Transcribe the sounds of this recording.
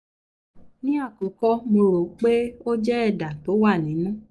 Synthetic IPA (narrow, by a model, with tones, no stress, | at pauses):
nĩ˦a˦˨ko˨˦kɔ˦mõ˧ɾo˨k͡pe˦o˦d͡ʒɛ˦ɛ˦˨da˨to˨˦wa˦˨nĩ˨˦nũ˦